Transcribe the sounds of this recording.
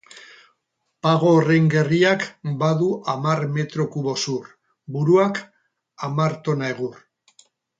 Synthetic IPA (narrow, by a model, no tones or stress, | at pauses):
paɣ̞o̞ːre̞ŋɡe̞riakbaðuʔamaɾme̞t̪ɾo̞kuβo̞sur | buɾuak | amaɾt̪o̞naeɣ̞ur